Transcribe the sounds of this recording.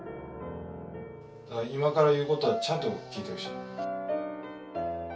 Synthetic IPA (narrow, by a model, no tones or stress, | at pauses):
d̪aimakaɾajɯ̟ːko̞t̪o̞at͡ɕãnt̪oɯkʲːiːt̪ekoɕi̥t̪a